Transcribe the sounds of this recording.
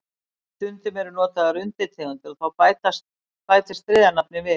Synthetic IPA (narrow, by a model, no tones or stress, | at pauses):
sʏnt̪ʏmɛɾʏnɔːt̪aðaɾʏnt̪ɪt̪ʰeɣʏnt̪ɪlɔθawajt̪ast̪ | paːjt̪ɪst̪ɾɪːðanapnɪvɪ